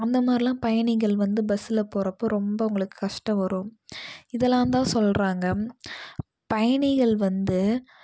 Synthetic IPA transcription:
ɐnd̪ɐmaːd̪ɾiɪlãːpɐjɐɳɪɣɐɭʋɐnd̪ɯbɐsɪlɐpoːɾɐpːoːɾɔmbɐʊŋɡɐɭɯkːɯ̥kɐʂʈɐ̃ʋɐɾɯmɪðɛlːãːnt̪̬ãːsɔlɾaːŋɡɐ | pɐjɐɳɪɣɐɭʋɐnd̪ɯ

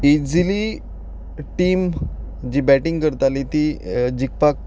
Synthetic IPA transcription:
id͡zili | ʈiːm | d͡ʑiːbæʈiŋɡkəɾt̪alit̪id͡ʑik̚pak̚

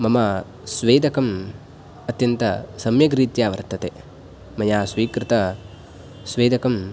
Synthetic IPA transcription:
mɐmɐ | sʋeːd̪ɐkɐm | ɐt̪jɐnt̪ɐsɐmjɐɡɾiːt̪jaːʋɐɾt̪ɐt̪e | mɐjaːsʋiːkɾɪt̪ɐ | sʋeːd̪ɐkɐm

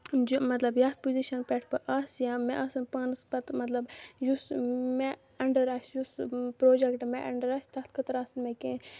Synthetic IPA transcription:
d͡ʒomɐt̪lɐbjat̪̚puziʃɐnpʲɛʈʰpɐʔɐsjãːmɛʔɐsɨnpaːnspɐt̪mɐt̪lɐbjusme | ɐɳɖɐɾasjuspɾoːd͡ʒɛkʈmeʔɐɳɖəɾaːsʲt̪ɐt̪ʰkʰɐt̪ɾaːsɨnmekẽ

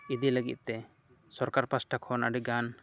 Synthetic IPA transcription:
id̪iləɡḭt̪̚t̪ɛ | sɔɾkaɾpasʈʰakʰɔna̰ɖiɡan

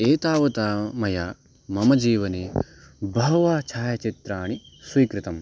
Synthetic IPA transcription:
eːt̪aːʋɐt̪aːmɐjaː | mɐmɐd͡ʒiːʋɐneːbʱɐɦɐʋaːt͡ʃʰaːjɐt͡ʃit̪ɾaːɳiswiːkɾit̪ɐm

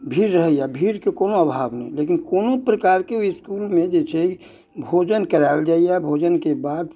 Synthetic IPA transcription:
bʱiːɾːəɦɛjabʱiːɾkekoːnoəbʱaːbnə̰ɦḭ̃leːkɪnkoːnopɾəkaːɾkeoɪskuːlmẽd͡ʒɛːt͡ʃʰɛi | bʱoːd͡ʒənkəɾaɪld͡ʒaːijabʱoːd͡ʒənkebaːd̪

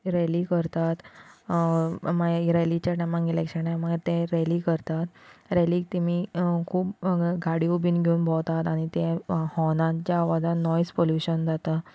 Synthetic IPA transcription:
ɾelikəɾt̪at̪ | maɡiɾelit͡ɕaʈãmãŋɡilekʂənãmaɡəɾt̪ẽɾelikəɾt̪at̪ɾeliːk̚t̪imikʰuːpɡʱaɽiubʱiːnɡʱeuːnbʱɔt̪at̪aɽ̃it̪ẽhɔnãt͡ɕjaːʋad͡zanɔjspoljuɕənd͡zat̪a

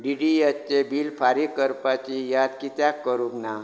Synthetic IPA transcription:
ɖiɖijətt͡ɕebiːlpaɾikəɾpat͡ɕijad̪kit̪jakːəɾukna

